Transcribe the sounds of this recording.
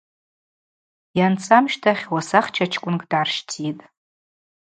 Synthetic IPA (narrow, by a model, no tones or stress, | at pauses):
jant͡sʰʼamʃtʰaχʲwasaχt͡ʃʰat͡ʃʰkʷʼʊnkʼdʕarʃtʰitʼ